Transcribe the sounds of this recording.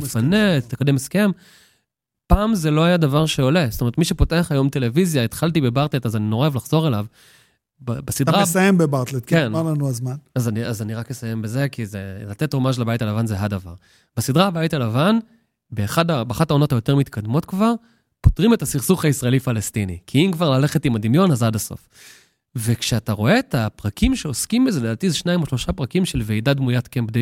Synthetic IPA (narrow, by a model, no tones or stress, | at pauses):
fanet̪ekademeske̞m | paːmzelo̞ajadavaʁʃe̞o̞le̞stomet̪miʃepo̞te̞aχajo̞mte̞le̞vizjaet̪χaltibebaʁt̪le̞tazaninoʁevlaχz̥o̞ʁe̞lav | babasidtʁasajembebaʁt̪letkenalanuazmanazaniazaniʁaknesaje̞mbeze̞kizelatetʁomaʃ̬labajtalavanzeɦadava̰ʁ | b̥esidʁaabaitalavan | beːχadabeχatao̞no̞thajo̞te̞ʁmit̪kadmo̞tkvaʁ | po̥tʁimetasiʁsuχaisʁae̞lifalestinḭkʰiimkvaʁlale̞χetimadimjo̞nazadaso̞̰f | vekʃeataʁo̞e̞ːtapʁakʰimʃe̞oskimbezeled̪aːt̪izeʃnaimoʃlo̞ʃapʁakimʃelvejdadmujatkembde